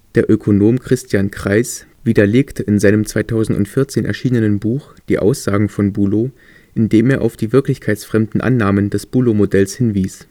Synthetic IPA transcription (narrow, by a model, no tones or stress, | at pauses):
d̥eːɐʔøkʰonoːmkʁ̥ɪstʰjaːnkʁ̥aɪsv̥iːdɐleːktʰəʔɪnzaɪnəmt͡sv̥aɪtʰaʊzn̩tʊ̰ntfɪɐt͡seːnʔɛ̰ɐʃiːnənənbuːxd̥iːʔa̰ʊsz̥aːɡŋ̩fɔnbuːlo | ʔɪndeːmeːɐʔa̰ʊfd̥iːvɪɐklɪçkʰaɪtsfʁ̥ɛmdn̩ʔa̰nːaːməndɛsb̥uːlomodɛlshɪnviːs